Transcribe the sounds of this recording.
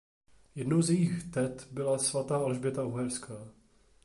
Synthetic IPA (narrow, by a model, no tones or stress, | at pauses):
jɛdnowzjɛjixt̪ɛt̪bɪlasvat̪aːalʒbjɛt̪auɦɛɾskaː